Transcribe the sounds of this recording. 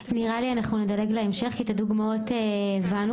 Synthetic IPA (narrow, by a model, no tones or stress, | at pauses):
niʁalianaχnunedale̞ɡleemʃe̞χkit̪aduɡmaoteːvanu